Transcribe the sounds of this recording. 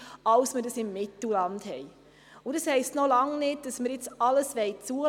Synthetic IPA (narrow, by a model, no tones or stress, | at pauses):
ɑwsmədɑsɪmːɪtl̩lɑndhɛɪ | ʊdɑshɛɪstnolɑŋnɪd̚d̥ɑsməɾjɪt͡sɑləsʋɛɪt͡suə